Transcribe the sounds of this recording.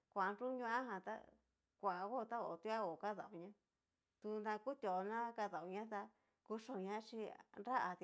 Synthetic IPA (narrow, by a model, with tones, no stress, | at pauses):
kʷa˨˧nɾu˦ɲũ˦ã˦ɦã˧t̪a̰˦ | kʷa˨˧ɣo˦˧t̪a˦o̰˨t̪u˦a˦o˨ka˦ða˨u˨ɲã˦ | t̪u˧nd̪ã˧ku˦t̪ʲo˨˧nã˦ka˧ða˨u˧ɲã˦t̪a˧ | ku˧ʂõ˧˨ɲã˦t͡ʃi˧nɾa˦ʔa˧t̪